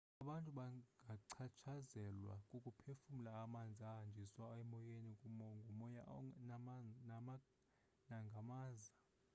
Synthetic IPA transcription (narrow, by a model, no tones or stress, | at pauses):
aɓantʼuɓaŋɡʱaǀʰat͡ʃʰazɛlwa̰kʼukʼupʰefumulaːmand͡zʱiaɦand͡ʒʱiswaɛmɔjenikʼumɔŋɡʱumɔjaʔɔnanama | naŋɡʱamaːza